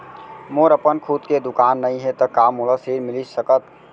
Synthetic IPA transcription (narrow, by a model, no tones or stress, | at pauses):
moːɾəpənkʰud̪ked̪ʊkaːnːəĩɦɛt̪əkamoləsiɾmɪlisəkət̪